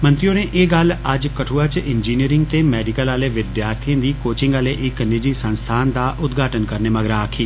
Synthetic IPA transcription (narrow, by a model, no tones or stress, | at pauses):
mə̃nt̪ɾijoːneːʔeːɡələd͡ʒkəʈʰuːaːt͡ʃɪnd͡ʒiːniːɾɪ̃ŋɡ̚t̪eːmɛːɖɪkəlaːleːʋɪd̪jaːɾt̪ʰiə̃ːd̪iːkoːt͡ʃɪ̃ŋɡaːleːʔɪknɪd͡ʒiːsə̃nst̪ʰaːnd̪aːʔʊd̪ɡʱaːʈənkəɾneːməɡɾaːkʰiː